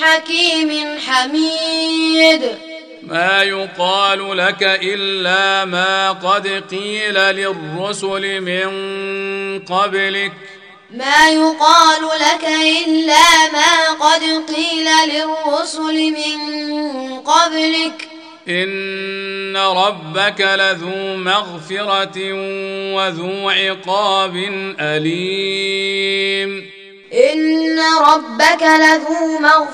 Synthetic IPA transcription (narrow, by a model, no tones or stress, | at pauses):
ħakiːmɪnħamiː | d̪ | maːjʊqɑːlʊlakaʔɪlːaːmaːqɑd̪qiːlalɪrːʊsʊlɪmɪn | qɑblɪk | maːjʊqɑːlʊlakaʔɪlːaːmaːqɑd̪qiːlalɪrːʊsʊlɪmɪn | qɑblɪk | ʔɪnː | aɾˤɑbːakalaðuːmaɣfɪɾɑt̪ | waðuːʕɪqɑːbɪnʔaliː | m | ʔɪnːaɾˤɑbːakalaðuːmaɣ